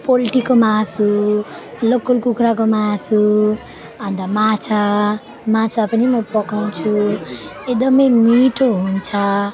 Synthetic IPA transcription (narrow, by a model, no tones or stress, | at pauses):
poliʈikomasu | lokːolkukʰɾak̬omasu | ʌnd̪amat͡sʰa | mãt͡sʰapʌnimʌpʌkaw̃t͡sʰu | ed̪ʌmʌjmiʈoɦunt͡sʰʌ